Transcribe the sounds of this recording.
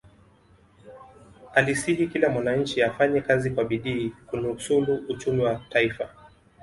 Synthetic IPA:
alisihikilamwanaɲ̩t͡ʃiafaɲɛkazikwaɓiɗiːkunusuluut͡ʃumiwataifa

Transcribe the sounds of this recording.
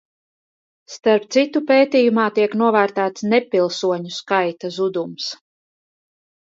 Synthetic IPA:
st̪aɾp̚t̪sit̪upeːt̪iːjumaːt̪iɛknuɔvæːɾt̪æːt̪snɛpilˠsuɔɲuskajt̪azud̪ums

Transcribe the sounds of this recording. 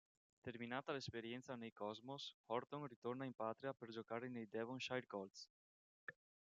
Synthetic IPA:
t̪eɾminaːt̪alespeɾjɛnt̪sanejkɔzmoshɔɾt̪oŋrit̪oɾnaimpat̪ɾiapeɾd͡ʒokaɾenejd̪ɛvoŋʃajɾkɔlt̪s

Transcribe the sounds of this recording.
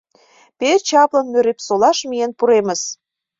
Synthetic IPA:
pet͡ɕɑplɤ̆nmøɾepsolɑʃmijenpuɾemə̆s

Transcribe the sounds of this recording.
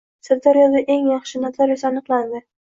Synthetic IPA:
sɪɾd̪aɾjɒd̪aʔeŋjɑχʃɪnat̪laɾɪsaːnɨqlˠand̪ɪ

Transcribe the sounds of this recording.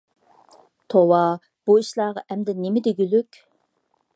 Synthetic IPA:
t̪ʰowɑ | b̥uiʃlˠɑːʁɑʔɛmd̪ɛnemɪd̪eɡʲylykʲ

